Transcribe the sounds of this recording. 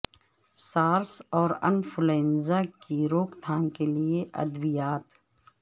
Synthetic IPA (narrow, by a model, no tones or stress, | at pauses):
saːɾsɔːɾɐ̰nfʊleːnzakiɾoːkt̪ʰaːnkelieʔɐ̰d̪bijaːt̪